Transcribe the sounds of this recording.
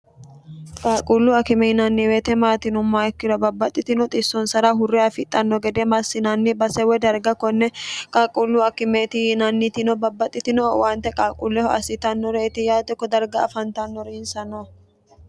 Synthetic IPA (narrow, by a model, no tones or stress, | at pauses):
kʼaːkʼulːuɐkɪmɛhɪnɐnːiweːt̪ɛmaːt̪ɪnʊmːaːɛkːɪɾɔbɐbːɐt̪ʼːɪt̪ɪnɔt̪ʼɪsːɔnsɐɾaɦʊrːɛafɪt̪ʼːɐnːɔɡɛd̪ɛmɐsːɪnɐnːɪbɐsɛwɛd̪ɐɾɡɐkɔnːɛkʼaːkʼulːʊɐkɪmet̪ɪnɐnːɪt̪ɪnɔbɐbːɐt̪ʼːɪt̪ɪnɔwaːnt̪ɛkʼaːkʼulːɛhɔɐ̰sɪt̪ɐnːɔɾɛɪt̪ɪjaːt̪ɪkːɔd̪ɐɾɡɐːfɐnt̪ɐnːɔɾɛɪnsɐnɔ